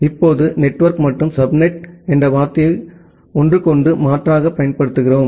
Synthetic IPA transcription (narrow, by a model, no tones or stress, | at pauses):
ɪpːoːðɯnɛʈːʋɐɾkmɐʈːɯmsɐbnɛʈɛndrɐʋaːɾt̪ɪjɐɪ | ɔndrɯkɔɳɖɯmaːʈraːɣɐpːɐjɐnpɐɽɯt̪ːɯɣɪroːm